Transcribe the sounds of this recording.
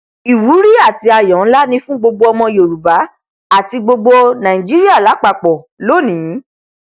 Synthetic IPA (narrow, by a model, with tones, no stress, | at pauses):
i˨wu˨˦ɾi˦a˦˨ti˨˧a˧˨jɔ̃˨˦n̩˦la˦nĩ˧˦fũ˦ɡ͡bo˧ɡ͡bo˧ɔ˧mɔ̃˧jo˨ɾu˨ba˨˦ | a˦˨ti˧ɡ͡bo˧ɡ͡bo˧nã˨ĩ˨d͡ʒi˦ɾi˦a˦˨la˨˦k͡pa˨k͡pɔ˨ | lo˦˨nĩ˨˦